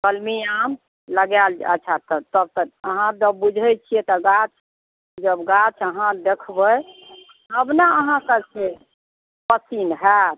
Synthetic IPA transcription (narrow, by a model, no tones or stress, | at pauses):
kəlmijam | ləɡɛld͡ʒə̰ːt͡ʃʰat̪ət̪əb̚t̪əɾəɦãd̪əbud͡ʒʱɛt͡ʃʰijɛt̪ɔɡat͡ʃʰ | d͡ʒəbɡat͡ʃʰəɦãd̪ekʰbəj | ɦəbnaəɦãkəse | pəsinɦɛt̪